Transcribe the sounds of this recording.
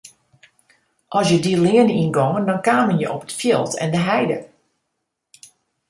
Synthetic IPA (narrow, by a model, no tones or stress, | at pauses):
ʔɔsjədilɪəninɡɔŋəndɔnkaːmənjəʔɔpətfjɪlˠtʰɛ̰ndəɦɛjdə